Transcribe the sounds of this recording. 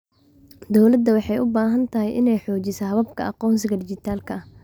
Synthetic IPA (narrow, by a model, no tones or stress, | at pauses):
d̪ɔwlɐd̪ːɐwɑħɑjʊbaːɦɐnt̪ʰɐɦɛjʔɪnɛjħɔːt͡ʃɪsɐɦɐβɐbkʰɐɑqɔːns̬ɪɣɐd̪ɪt͡ʃɪt̪ʰaːlkʰɐɐh